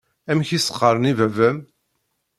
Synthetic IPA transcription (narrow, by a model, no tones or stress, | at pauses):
æmçisə̥qːəɾˤnivævæm